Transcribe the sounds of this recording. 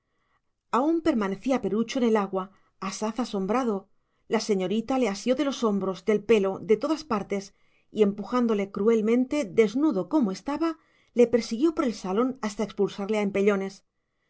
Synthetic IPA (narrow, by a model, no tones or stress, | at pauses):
aumpe̞ɾmane̞θiape̞ɾut͡ʃoene̞laɣwaː | saθaso̞mbɾaðo̞ | lase̞ɲo̞ɾit̪ale̞asjo̞ðe̞lo̞so̞mbɾo̞zd̪e̞lpe̞lo̞ðe̞t̪o̞ðaspaɾt̪e̞s | ie̞mpuxand̪o̞le̞kɾue̞lmẽ̞nt̪e̞d̪e̞znuðo̞ko̞moe̞st̪aβa | le̞pe̞ɾsiɣjo̞po̞ɾe̞lsalo̞nast̪aekspulsaɾle̞aempe̞ʎo̞ne̞s